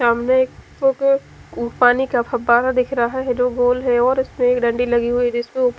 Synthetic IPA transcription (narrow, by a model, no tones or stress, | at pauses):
saːmneeːk̚pok | paːnikapʰɐbaːɾad̪ɪkʰɾɐɦaɦɛɦɛd͡ʒoːɡoːlɦɛɔːɾɪsmẽeːkɖɐ̃ɳɖilɐɡiɦʊid͡ʒɪsmẽʊp